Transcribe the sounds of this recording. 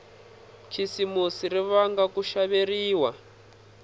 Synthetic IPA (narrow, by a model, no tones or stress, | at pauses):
t͡ʃʰisimusiɾiβaŋɡakuʃaβeɾiːwa